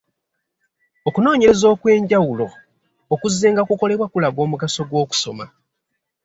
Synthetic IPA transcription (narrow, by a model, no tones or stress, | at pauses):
o̞kuno̞ːɲe̞ɾe̞zo̞ːkwe̞ːɲɟawulo̞ː | kuzːeːŋɡakuko̞le̞βwakulaɡo̞ːmukaso̞ɡwo̞ːku̥so̞ma